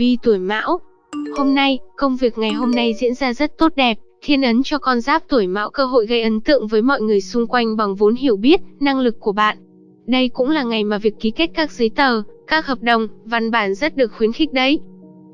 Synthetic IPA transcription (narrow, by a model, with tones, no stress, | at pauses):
vi˧t̪u˧˩əjma̰ː˧˥w | ho˧mna˧jkə˧wŋ͡mvi˨˩ək̚ŋa˨˩jɦo˧mna˧jzḭ˧˥ənzaː˧zə˦˥t̚t̪o˦˥t̚ɗɛ˨˩p̚t̪ʰi˧ənʔə˨˦nt͡ɕɔ˧kɔ˧nzaː˦˥p̚t̪u˧˩əjma̰ː˧˥wkəː˧ɦo̰˧˨jɣə˧jʔə˨˦nt̪ɨ̰˧˨əŋvəː˨˦jmɔ̰˧˨jŋɨ˨˩əjsʊ˧ŋ͡mkwa˧jŋ̟ɓa˨˩ŋvo˨˦nɦi˧˩əwɓi˦˥ət̚na˧ŋlɨ˨˩kːu˧˩əɓa̰ː˧˨nʔ | ɗə˧jkʊ̰˧˥ŋ͡mlaː˨˩ŋa˨˩jmaː˨˩vi˨˩əkːi˨˦ke˦˥t̚kaː˦˥k̚zɨ˨˦jt̪əː˨˩kaː˦˥k̚həː˨˩p̚ɗə˨˩wŋ͡mva˧nɓaː˧˩nzə˦˥t̚ɗɨ˨˩ək̚xwi˨˦ənxï˦˥k̟̚ɗə˨˦j